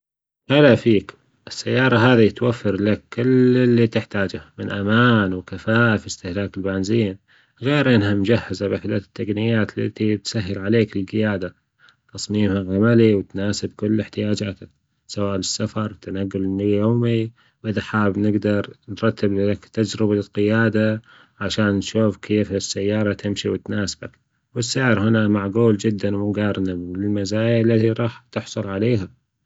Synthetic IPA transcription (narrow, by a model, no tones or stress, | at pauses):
ʔalafiːk | ʔɪsːajːɑːɾˤɑɦaːðit̪wafːɪɾlakːɪlɪlːit̪ɪħt̪aːd͡ʒamɪnʔamaːnwɪkafaːʔfist̪ɪhlaːkɪlbanziːn | ɣeːɾʔɪnhamʊd͡ʒahːɪzabaħd̪at̪ːaɡnɪjaːt̪lat̪it̪saɦːɪlʕaleːkɪlɡɪjaːd̪a | t̪ɑsˤmiːmhaʕamaliwt̪naːsɪbkʊlːɪħt̪ɪjaːd͡ʒaːt̪ɪ | sawaːʔlɪsːafɑɾˤt̪anaɡːʊlnjoːmi | ʔɪðaħaːbnɪɡd̪ɑɾˤnɾˤɑt̪ːɪblɪakt̪ad͡ʒɾɪbaqɪjaːd̪a | ʕaʃaːnːʃuːfkʰeːfɪsːajːɑːɾˤɑt̪ɪmʃiwɪt̪naːsɪbak | wɪsːɪʕɾhɪnamaʕɡuːld͡ʒɪd̪ːanmuɡɑːɾˤnamlɪlmazaːjalːat̪iɾˤɑːħt̪ɪħsˤʊlʕaleːɦa